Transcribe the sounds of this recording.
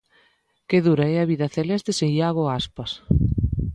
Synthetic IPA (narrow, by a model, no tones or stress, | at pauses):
keðuɾɐɛɐβiðɐθelɛst̪eseŋʎaɣoaspɐs